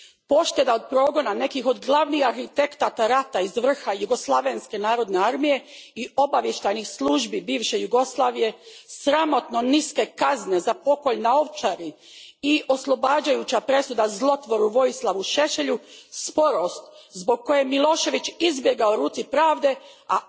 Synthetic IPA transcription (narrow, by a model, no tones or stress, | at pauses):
po̞ʃt̪e̞d̪ao̞d̪̚pɾo̞ːɡo̞nane̞kixo̞d̪ɡlˠaʋnixaɾxit̪e̞kt̪at̪aɾat̪aizʋr̩xajuɡo̞slˠaʋe̞nske̞naːɾo̞d̪ne̞aɾmije̞io̞baʋje̞ʃt̪ajnixslˠuʒbibiːʋʃe̞juɡo̞slˠaːʋije̞sɾamo̞t̪no̞niske̞kazne̞zapo̞ko̞ʎnao̞ʋt͡ʃaɾi | iʔo̞slˠo̞baːd͡ʑajut͡ɕapɾe̞sud̪azlˠo̞t̪ʋo̞ɾuʋo̞jislˠaʋuʃe̞ʃe̞ʎuspo̞ɾo̞st̪ | zbo̞ɡ̚ko̞jemilˠo̞ːʃe̞ʋit͡ʃizbje̞ɡaoɾuːt̪sipɾaːʋd̪e̞ | a